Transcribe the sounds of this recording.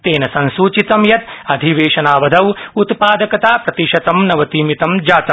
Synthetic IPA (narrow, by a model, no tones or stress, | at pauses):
t̪eːnɐsɐ̃nsuːt͡ʃit̪ɐmjɐt̪ɐd̪ʱiʋeːʃɐnaːʋɐd̪ʱɐwut̪paːd̪ɐkɐt̪aːpɾɐt̪iʃɐt̪ɐmnɐʋɐt̪iːmit̪ɐmd͡ʒaːt̪ɐm